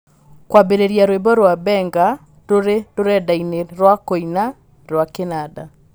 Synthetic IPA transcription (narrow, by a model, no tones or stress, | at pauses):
kwabeɾeɾjaɾwebɔɾwabɛŋɡa | ɾoɾeɾoɾɛdaineɾwakoina | ɾwakenada